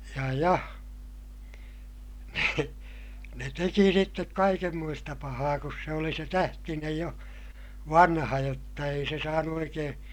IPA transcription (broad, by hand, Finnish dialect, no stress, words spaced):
jɑ jɑ ne ne teki sitːek kɑikemːoistɑ pɑhɑː kus se oli se tæhtinej jo ʋɑnhɑ jotːɑ ei se sɑːnu oikeː